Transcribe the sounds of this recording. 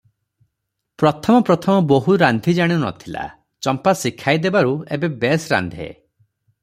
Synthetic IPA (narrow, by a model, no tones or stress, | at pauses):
pɾɔt̪ʰɔmɔpɾɔt̪ʰɔmɔboɦuɾand̪ʱid͡ʒaɽ̃iunɔ̰t̪ʰila̰ | t͡ʃɔmpasikʰajd̪ebaɾuebebesɾa̰nd̪ʱiḛ